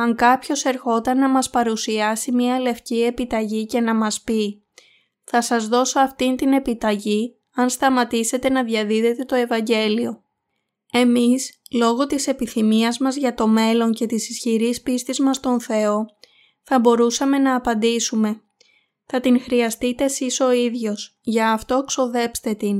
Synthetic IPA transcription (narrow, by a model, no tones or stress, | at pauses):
ɐŋkɐpço̞se̞ɾxo̞t̪ɐnːɐmɐspɐɾusiɐsimɲiɐle̞fcie̞pit̪ɐʝice̞nɐmɐspi | θɐsɐzðo̞so̞ɐft̪int̪ine̞pit̪ɐʝi | ɐnst̪ɐmɐt̪ise̞t̪e̞nɐðʝɐðiðe̞t̪e̞t̪o̞e̞vɐɲɟe̞lio̞ | e̞mislo̞ɣo̞t̪ise̞piθimiɐzmɐzʝɐt̪o̞me̞lo̞ɲce̞t̪isisçiɾispist̪izmɐst̪o̞nθe̞o̞ | θɐbo̞ɾusɐme̞nɐːpɐnd̪isume̞ | θɐt̪iŋxɾiɐst̪it̪e̞siso̞iðʝo̞sʝɐːft̪o̞ekso̞ðe̞pst̪e̞t̪in